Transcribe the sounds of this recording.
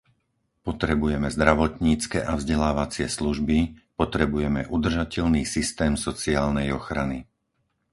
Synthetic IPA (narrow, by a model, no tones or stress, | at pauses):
pɔt̪ɾɛbujɛmɛzd̪ɾaʋɔt̪ɲiːt͡skɛʔavzɟɛlaːʋat͡sɪɛsluʒbipɔt̪ɾɛbujɛmɛʔud̪r̩ʒacɛʎniːsist̪ɛːmsɔt͡siaːlnɛjɔxɾani